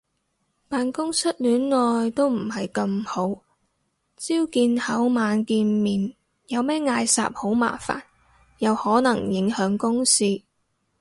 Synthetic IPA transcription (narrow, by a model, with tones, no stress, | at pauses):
paː˨nkʊ˥ŋsɐ˥t̚lyː˨˥nlɔː˨jt̪o˥wm̩˨˩hɐ˨jkɐ˧mho˨˥w | t͡siː˥wkiː˧nhɐ˨˥wmaː˨˧nkiː˧nmiː˨n | jɐ˨˧wmɛː˥ŋaː˧jsa̰ː˨p̚ho˨˥wma̰ː˨˩fa̰ː˨˩n | jɐ˨˧whɔː˨˥nɐ˨˩ŋjɪ˨˥ŋhœː˨˥ŋkʊ˥ŋsiː˥